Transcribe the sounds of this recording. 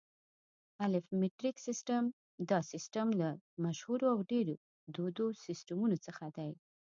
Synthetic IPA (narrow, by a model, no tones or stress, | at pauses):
alɪfmɪʈɾiksɪsʈam | d̪ɑsɪsʈamlamaʃhuɾoawɖeɾo | d̪od̪osɪsʈamunot͡səxad̪aj